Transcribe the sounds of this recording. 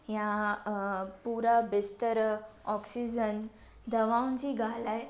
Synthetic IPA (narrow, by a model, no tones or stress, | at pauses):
ja | puɾabist̪əɾɔksid͡ʑən | d̪əʋãwnt͡ɕiːɡʱalaj